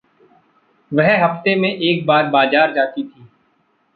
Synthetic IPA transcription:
ʋɛɦɦɐft̪emẽʔeːk̚baːɾbaːd͡ʒaːɾd͡ʒaːt̪it̪ʰiː

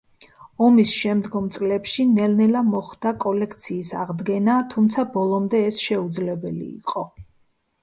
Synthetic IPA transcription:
ɔmisʃɛmd̪ɡɔmt̪sʼlɛpʃinɛlnɛlamɔχd̪akʼɔlɛkʰt̪sʰiːsa̰ʁd̪ɡɛnat̪ʰumt̪sʰabɔlˠɔmd̪ɛːsʃɛud̪zlɛbɛlḭːqʼɔ

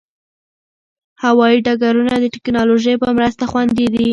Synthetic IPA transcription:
hawɑjiɖaɡaɾunad̪əʈɪ̥knɑloʒəjpəmɾəst̪axwand̪id̪i

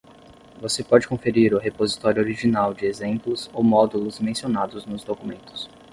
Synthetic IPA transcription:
vosepɔd͡ʒɪkõfeɾiɾʊɦepozit̪ɔɾjʊoɾiʒinawd͡ʒɪezẽmplʊzowmɔd̪ulʊzmẽsionad̪ʊznʊzd̪okumẽnt̪ʊ̥s

